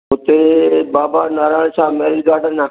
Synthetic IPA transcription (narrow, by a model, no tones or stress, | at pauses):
ɦʊt̪eːbaːbaːnaːɾaːlsaːmeːɾɪlɡaːɖənaː